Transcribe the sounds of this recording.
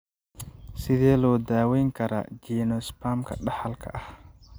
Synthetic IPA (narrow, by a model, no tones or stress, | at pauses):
sɪðɛːlɔːd̪aːwɛjŋkʰɐɾa̰ːd͡ʒɛːnɔspaːmkʰɐ̰ɖɑħɐlkʰɐ̰ʔɐh